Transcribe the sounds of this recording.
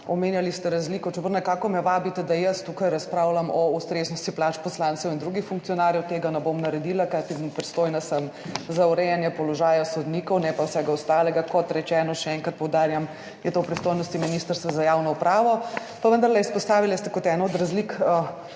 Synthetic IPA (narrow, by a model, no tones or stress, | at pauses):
ɔmeːnjalist̪ɛɾazliːkɔt͡ʃɛbəɾnɛkaːkɔmɛʋaːbit̪ɛd̪ajəst̪ukajɾaspɾawlamɔust̪ɾeznɔst̪iplat͡ʃpɔslantsɛwind̪ɾuɡixfuŋkt̪sijɔnaːɾjɛwt̪eːɡanɛbomnɐɾɛd̪ilakat̪ipɾist̪ojnasəmzauɾɛjɛnjɛpɔlɔʒaːjasɔd̪niːkɔwnɛpawsɛɡaɔst̪aːlɛɡakɔt̪ɾɛt͡ʃɛːnɔʃɛɛŋkɾat̪̚pɔwd̪aːɾjam | jɛt̪oːpɾist̪oːjnɔst̪iminist̪əɾst̪ʋazajawnɔupɾaːʋɔ | paʋənd̪ɐɾlɛispɔst̪aːʋilɛst̪ɛkɔt̪ɛnɔod̪ɾazlikə